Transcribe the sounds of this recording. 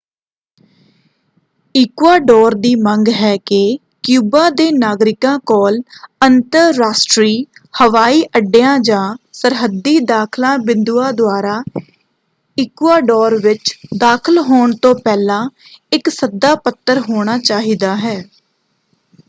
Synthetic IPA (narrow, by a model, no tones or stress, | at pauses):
ɪkwaːɖɔːɾd̪iːməŋɡɦɛːke | kjuːbãːd̪eːnaːɡɾɪkãːkɔːlənt̪əɾːaːsʈɾiːhəʋaːiːʔəɖejãːd͡ʒãːsəɾɦəd̪ːiːd̪aːkʰlãːbɪnd̪uːãːd̪ʊaːɾaː | ɪkʋaːɖɔːɾʋɪt͡ʃd̪aːkʰəlɦoːɳt̪õːpɛːlãː | ɪksəd̪aːpət̪ːəɾɦoːɽ̃aːt͡ʃaːɦiːd̪aːɦɛː